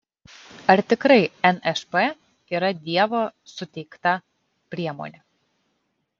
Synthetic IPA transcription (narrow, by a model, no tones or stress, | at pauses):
ɐɾt̪ʲɪkɾɐɪɛnɛʃpe | iːɾɐd̪ʲiɛʋoːsʊt̪ʲɛɪkt̪ɐ | pʲɾʲiɛmo̰nʲe